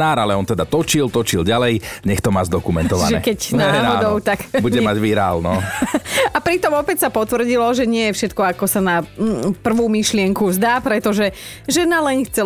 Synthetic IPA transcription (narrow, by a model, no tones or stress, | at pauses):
naːɾalɛɔnt̪ɛd̪at̪ɔt͡ʃilt̪ɔt͡ʃilɟalɛjɲɛxt̪ɔmaːzd̪ɔkumɛnt̪ɔʋa̰ʒɛ̰ːkɛcnɛad̪ɔʊt̪akbuɟɛmaɟʋiɾa̰ːlnɔ | apɾit̪ɔmɔpɛcsapɔt̪ʋr̩ɟilɔʒɛɲɪɛjɛfʃɛt̪kɔakɔsanapr̩ʋuːmiʃlɪɛŋkuzd̪aːpɾɛt̪ɔʒɛ | ʒɛnalɛɲxt͡sɛ